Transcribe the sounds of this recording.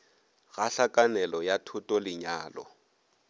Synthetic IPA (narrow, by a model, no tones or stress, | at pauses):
ɣaɬakʼanɛlɔjatʰʊtʼɔlɪɲaːlɔ̰